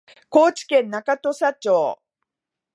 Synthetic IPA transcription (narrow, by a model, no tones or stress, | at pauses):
ko̞ːt͡ɕi̥kẽ̞nːakat̪o̞ɕat͡ɕo̞ː